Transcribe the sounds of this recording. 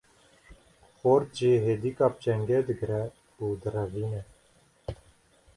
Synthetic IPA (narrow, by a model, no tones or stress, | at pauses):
xoːɾt̪ʒiːɦeːd̪ikaːp̚t͡ʃɛŋɡɛd̪ɨɡɾɛ | uːd̪ɨɾɛviːnɛ